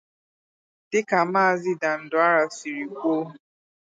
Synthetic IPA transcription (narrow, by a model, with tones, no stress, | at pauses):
dɪ˦ka˨maː˦a˦˨zɪ˦da˨n̩˦dʊ˦a˦ɾa˨si˨ɾi˨kʷo˦˨